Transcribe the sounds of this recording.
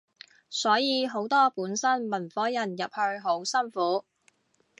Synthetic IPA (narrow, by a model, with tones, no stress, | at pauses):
sɔː˨˥jiː˨˧ɦo˨˥wt̪ɔː˥puː˨˥nsɐ˥nmɐ˨˩nfɔː˨˥jɐ˨˩njɐ˨p̚hɵ˧ɥɦo˨˥wsɐ˥nfuː˨˥